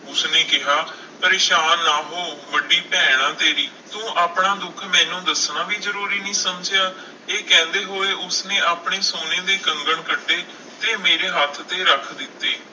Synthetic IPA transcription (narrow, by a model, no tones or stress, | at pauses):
ʊsneːkɪɦaː | pəɾeːʃaːnːaːɦoːbəɖiːpɛːɽ̃ãːt̪eːɾiː | t̪ũːʔaːpɳaːd̪ʊkʰmɛ̃ːnũːd̪əsnãːʋiːzəɾuːɾiːnəĩːsəmd͡ʒjaː | eːkɛ̃ːnd̪eːɦoːeːʔʊsnẽːaːpɳeːsoːnẽːd̪eːkəŋɡəɳkəɖːeː | t̪eːmeːɾeːɦat̪ʰt̪eːɾəkʰd̪ɪt̪ːeː